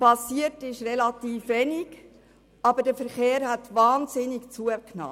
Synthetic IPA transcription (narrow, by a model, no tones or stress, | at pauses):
pɑsiətɪʃrɛlɑtiːfʋɛnɪɡ | ɑbəd̥əfəɾχeːɾhætvɑːnzɪnɪkt͡suəknɑ̰ː